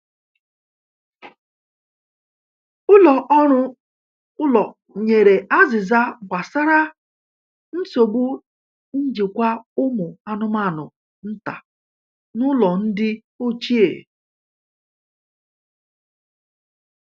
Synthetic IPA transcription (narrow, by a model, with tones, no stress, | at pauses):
ʊ˦lɔ˨ʔɔ˦ɾʊ˦ | ʊ˦lɔ˨ | ɲe˨ɾe˨ʔa˦zɪ˨za˦ɡ͡bʷa˨sa˦ɾa˦ | n̩˦so˨ɡ͡bu˦ | ɲ̩˦d͡ʒi˨kʷa˦ʊ˦mʊ˨a˦nʊ˦ma˦˨nʊ˨ | n̩˦ta̰˨ | nʊ˦lɔ˨n̩˦dɪ˦ | o˦t͡ʃi˦ḛ˨